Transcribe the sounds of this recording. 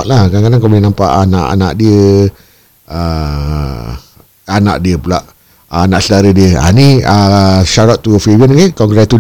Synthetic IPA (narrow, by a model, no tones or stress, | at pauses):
ʔlakakadaŋkawbəlinãmpa̰ʔanaʔa̰na̰ʔdiə | ə | ana̰ʔdiəpula̰ʔ | anaʔsədaɾədiəa̰niəʃaɾat̪ːufibiənɡekɔŋɡɾɛt̪u